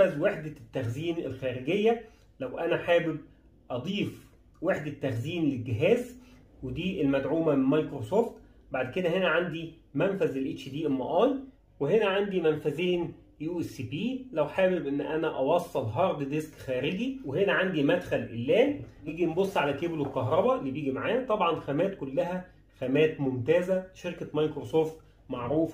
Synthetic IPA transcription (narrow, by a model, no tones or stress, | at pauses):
æzweħd̪æt̪ːæxziːnelxæːɾeɡejːæ | læwʔænæħaːbeb̚ | ʔɑd̪ˤiːf | weħd̪æt̪ːæxziːnlelɡeɦæːz | wed̪iːʔelmæd̪ʕuːmæmemɑjkɾosoːft̪ | baʕd̪ked̪æhenæʕand̪i | mænfæzelʔet͡ʃd̪iːʔelmɑ̰ʔɑːn | weɦenæʕand̪imænfæzeːn | juːʔesːipiːlæwħaːbebʔenːʔænæʔɑwɑsˤːɑlɦɑːɾˤd̪d̪eskxæːɾɪɡiwehenæʕand̪imæd̪xælʔḛlːæːn | jiːɡinbosˤːʕalækeblolkɑɦɾˤɑbɑlːiːbjiːɡimaʕaːjæt̪ˤɑbʕɑnxæmæːt̪kolːæɦæ | xæmæːt̪momt̪æːzæʃeɾkæmɑjkɾosoːft̪ | maʕɾuːf